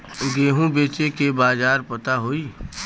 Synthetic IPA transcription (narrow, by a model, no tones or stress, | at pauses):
ɡeːɦũbeːt͡ʃekebaːd͡ʒaːɾpɐt̪aɦoːiː